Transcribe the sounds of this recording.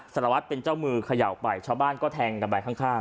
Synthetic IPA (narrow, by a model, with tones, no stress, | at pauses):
sa˨˩ɾa˧wa˦˥t̪̚pe˧nt͡ɕa˥˩wmɯː˧kʰa˧ja˨˩˨pa˨˩jt͡ɕʰaː˧wbaː˥˩nkɔː˥˩t̪ʰɛː˧ŋɾa˧mbaː˧˩kʰaː˥˩ŋkʰaː˥˩ŋ